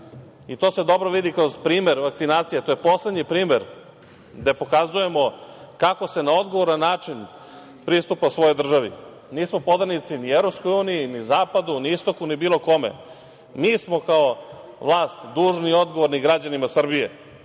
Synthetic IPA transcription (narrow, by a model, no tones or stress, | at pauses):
it̪o̞ːse̞d̪o̞bɾoʋid̪ikɾo̞zpɾiːmeɾʋakt̪sinaːt̪sijet̪oːjepo̞slˠe̞d̪ɲipɾiːmeɾ | d̪epo̞kazuje̞mo̞kako̞se̞nao̞d̪ɡoʋoɾanːaːt͡ʂin | pɾist̪upasʋo̞jod̪r̩ʒaʋḭ | niːsmo̞po̞d̪aɾnit̪sinievɾopsko̞juːnijinizaːpad̪uniist̪o̞kunibiːlˠo̞ko̞mḛ | miːsmo̞kao | ʋlˠaːst̪d̪uːʒnio̞d̪ɡoʋoɾniɡɾad͡ʑanimasr̩bije